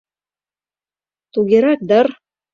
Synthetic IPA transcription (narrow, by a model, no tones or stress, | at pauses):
t̪uɡiɾɑk̚d̪ɤɾ